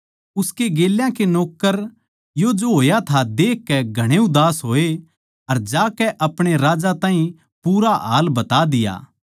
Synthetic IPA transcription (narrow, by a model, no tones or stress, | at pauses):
ʊskeɡeːljãkenɔːkːəɾ | jod͡ʒoɦoːjat̪ʰad̪eːkːɛɡʱɐɽ̃eʊd̪aːsɦoːe | ɐɾd͡ʒaːkɛʔɐpɽ̃eɾaːd͡ʒat̪ãːɦĩ | puːɾaɦa̰ːlbɐt̪ad̪ɪja̰ː